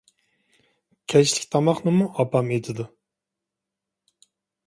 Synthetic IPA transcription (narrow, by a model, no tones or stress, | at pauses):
kʲʰɛt͡ʃlʲɪkʲt̪ʰɑmɑχnɨmuʔɑpɑmed̪ɪd̪u